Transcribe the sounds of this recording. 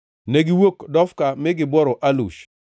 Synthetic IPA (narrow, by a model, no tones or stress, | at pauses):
neɡɪwokdɔfkamɪɡɪbɔɾɔʔalṵʃ